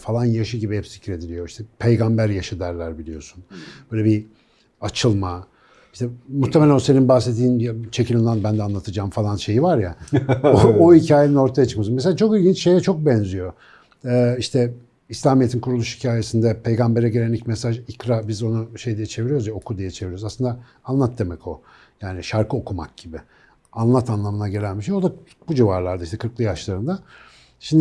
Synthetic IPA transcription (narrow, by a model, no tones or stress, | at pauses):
falˠanjaʃɯɟibihɛpsicɾe̞d̪ilʲijo̞iʃt̪ʰɛpʰejɡambæɾjaʃɯd̪æɾlʲæɾbilʲijo̞sunbøjlʲɛbi | at͡ʃʰɯlˠma | iʃt̪ʰɛmut̪ʰːemeænoseninbaxset̪̬ʰːiːnjat͡ʃʰecʰilʲinlˠanbænd̪ɛanlˠat̪ʰɯd͡ʒaːmfalˠanʃe̞jivaɾjaooicʰaːjenino̞ɾt̪ʰajat͡ʃʰɯ̥kmas̬nmes̬elʲat͡ʃʰo̞kilʲɟint͡ʃʃe̞jɛt͡ʃʰo̞k̚bɛnzijo̞ | ɛːiʃt̪ʰɛ | islʲaːmijet̪ʰinkʰuɾulˠuʃhi̥cʰaːje̞sind̪ɛpʰe̞jɡambe̞ɾɛɟeɾenicmesaʒikɾabizo̞nuʃe̞jd̪ijɛt͡ʃʰeviɾijo̞ɾuzjao̞kʰud̪ijɛt͡ʃʰeviɾjoɾzaslˠɯnd̪a | anlˠat̪̚d̪e̞mɛcʰo̞ | jaːniʃaɾkʰɯo̞kʰumak̚ɟ̥ibɪ | anlˠat̪ʰanlˠamɯnaɟe̞lʲænbiʃejod̪a | bud͡ʒivaɾlˠaɾd̪aiʃt̪ʰɛkʰɯɾklˠɯjaʃlˠaɾɯnd̪a | ʃimd̪